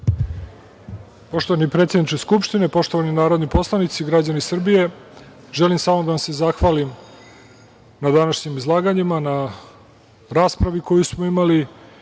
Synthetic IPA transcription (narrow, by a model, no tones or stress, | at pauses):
po̞ʃt̪oʋanipɾet̪sjed̪nit͡ʃeskupʃt̪inepo̞ʂt̪o̞ʋaninaːɾo̞d̪nipo̞slˠanit̪siɡɾad͡ʑanisr̩bije̞ | ʒelimsaːmod̪aʋamsezaxʋalim | nad̪anaʃɲimizlˠaːɡaɲimana | ɾaːspɾaʋikʰojusmoimali